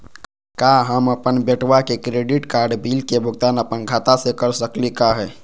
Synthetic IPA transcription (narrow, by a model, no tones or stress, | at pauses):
kaːɦəməpənbeʈwakekɾeːɖɪʈkaːɾɖbiːlkebʱʊɡt̪aːnəpənɡʱaːt̪asekəɾsəklikaɦɛː